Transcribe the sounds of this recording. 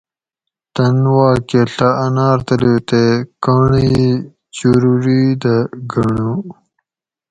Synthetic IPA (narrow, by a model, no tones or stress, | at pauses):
t̪ɐnwaːkeɬaɐnaːɾt̪ɐlet̪ekaːɳi | t͡ɕuɾuɾid̪ɐɡɐɳu